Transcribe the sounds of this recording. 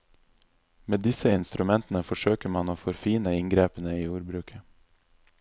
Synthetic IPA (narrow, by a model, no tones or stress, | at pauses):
meːd̪ɪsəɪnst̪ɾʉmɛnt̪ən̩əfɔʃøːkəɾmɑnoːfɔɾfiːnəɪŋɡɾeːpənəiːuːɾbɾʉːkʰə